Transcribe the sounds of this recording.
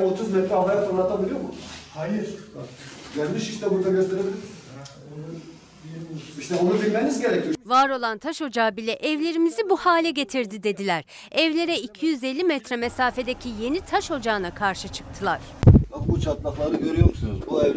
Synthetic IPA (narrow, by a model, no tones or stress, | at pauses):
ot̪ʰuzmɛt̪ɾɛabajat̪oɾat̪ʰabilʲijomuhajiɾ | jɛɾʲmiʃiʃt̪ɛbuɾd̪aɡøst̪ʰeɾebilʲi | iʃt̪ʰɛonubilʲmenizɟe̞ɾɛcʰijovaːɾo̞lˠant̪ʰaʃo̞d͡ʒaːbilʲɛʔɛvlʲe̞ɾimizibuhaːlʲɛɟe̞t̪ʰiɾd̪id̪e̞d̪ilʲæɾ̥ | ɛvlʲe̞ɾɛicʰijyze̞lʲːimɛt̪ɾɛmesaːfe̞d̪ecʰije̞nit̪ʰaʃo̞d͡ʒaːnakʰaɾʃɯt͡ʃʰɯ̥k̚t̪ʰɯlˠaɾ̥bakbut͡ʃʰat̪lˠaflˠaɾɯɟø̞ɾyjomusunuzbuɛ